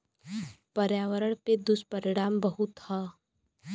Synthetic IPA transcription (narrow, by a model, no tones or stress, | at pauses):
pəɾjaːʋəɾəɳ̃ped̪ʊspəɾɪɽ̃aːmbəɦʊt̪ha